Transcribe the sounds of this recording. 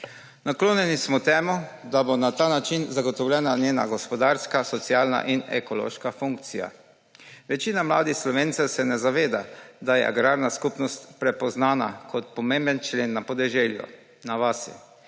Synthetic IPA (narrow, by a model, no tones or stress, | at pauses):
nakloːnjɛnismɔt̪ɛːmɔd̪abonat̪aːnat͡ʃinzaɡɔt̪ɔwlʲɛːnanjeːna̰ɡɔspɔd̪aɾskasɔt̪sjaːlna̰ʔinɛ̰kɔlo̰ːʃkafuŋk̚t̪sija̰ | ʋɛt͡ʃiːnamla̰ːd̪ixslɔʋeːnt̪sɛsɛnɛzaʋeːd̪ad̪ajɛ̰ʔa̰ɡɾaːɾnaskupnɔst̪pɾɛpɔznaːna̰kʰɔt̪pɔmẽmbənt͡ʃleːnːapɔd̪ɛʒeːljṵ | naʋasjɛ̰